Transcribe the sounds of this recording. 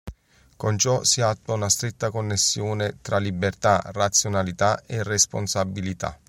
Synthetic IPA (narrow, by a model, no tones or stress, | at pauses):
kont͡ʃɔsiat̪ːwaunast̪ɾet̪ːakonːesːjoːnet̪ɾalibert̪arːat̪sːjonalit̪aeresponsabːilit̪a̰